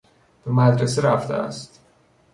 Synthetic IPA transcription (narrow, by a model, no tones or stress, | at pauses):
b̥emæd̪ɾeseɾæft̪ʰḛæ̰st̪